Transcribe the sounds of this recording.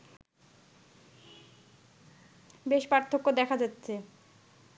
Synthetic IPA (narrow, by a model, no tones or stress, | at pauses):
beʃpaɾt̪ʰːokːod̪ɛkʰad͡ʑatːɕʰe